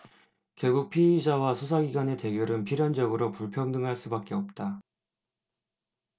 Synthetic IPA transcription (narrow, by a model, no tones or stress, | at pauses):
kjʌɭɡuk̚pʰiid͡ʑawasʰosʰaɡiɡwane̞te̞ɡjoɾɯnpʰiɾjʌnd͡ʑʌɡɯɾopuɭpʰjʌŋdɯŋɦaɭs͈ubak͈e̞ʌp̚t͈a